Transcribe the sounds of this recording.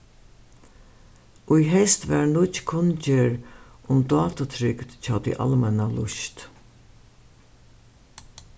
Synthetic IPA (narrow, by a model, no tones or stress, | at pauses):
ʔʊjɦɛst̪ʋæɹnʊt͡ʃkʰʊnt͡ʃəɹ | ʔʊmd̪ɑːt̪at̪ʰɾʏɡd̪t͡ʃʰɑːd̪ḭʔa̰lmɛnalʊʃt̪